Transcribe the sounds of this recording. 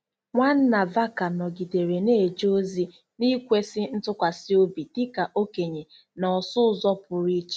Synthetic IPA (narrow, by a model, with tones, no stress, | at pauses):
ŋʷa˦n̩˦na˨va˦ka˨nɔ˨ɡi˨de˨ɾe˨ne˦˨d͡ʒo˦zi˦ | ni˦kʷe˦sɪ˦n̩˦tʊ˦kʷa˨si˦o˦bi˨di˦ka˨ʔo˦ke˨ɲe˨ | nɔ˨sʊ˦zɔ˦pʊ˨ɾi˦t͡ʃ